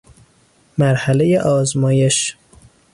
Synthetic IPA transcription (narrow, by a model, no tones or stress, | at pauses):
mæɾhælejeʔɒːzmɒːje̞ʃ